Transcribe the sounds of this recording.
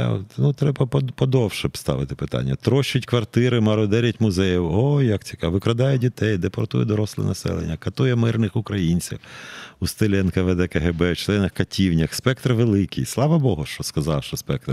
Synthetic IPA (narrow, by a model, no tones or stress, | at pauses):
t̪nut̪ɾɛbɐppɔd̪ɔwʃɛpst̪ɑ̰ʋɪt̪ɪpɪt̪ɑ̰nʲːɐt̪ɾɔʃt͡ʃːʊtʲkʋɐrt̪ɪɾɪmɐɾɔd̪ɛɾʲɐtʲmʊzɛjiwɔjɐkt͡sʲi̥kɑʋɪkɾɐd̪ɑjɛdʲit̪ɛjd̪epɔrt̪ujɛd̪ɔɾɔslˠɪ̰nɐsɛ̰lˠḛnʲːɐkɐt̪ujɛmɪrnɪxʊkɾɐjinʲt͡sʲɐ̰xust̪elʲɛnkɐʋed̪ɛkɐɦebɛwt͡ʃlˠɛnɐxkɐtʲiwnʲɐxspɛk̚t̪rʋelˠɪkijslˠɑʋɐbɔɦʊʃt͡ʃɔskɐzɑwʃɔspɛk̚t̪r